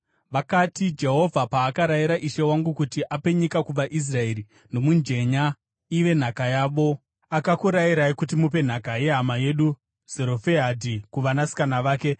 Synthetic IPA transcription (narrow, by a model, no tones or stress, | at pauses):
ʋakatid͡ʒe̞ɦo̞vʱapaːkaɾajiɾaʔiʃe̞waŋɡukutiʔape̞ɲikakuʋaʔis̬rae̞ri | no̞mund͡ʒe̞ɲa | iʋe̞n̤akajaːʋo̞ | akakuɾajiɾaikutimup̬e̞n̤akaje̞ɦamaje̞ɗu | z̥e̞ɾo̞feɦadʱikuʋanasi̥kanaʋaːke̞